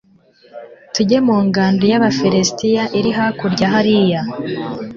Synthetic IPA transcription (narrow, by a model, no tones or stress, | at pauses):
tuɟe̞muːŋɡaːndujaβafiɾestijaʔiɾiɦakuɾɟaɦaɾija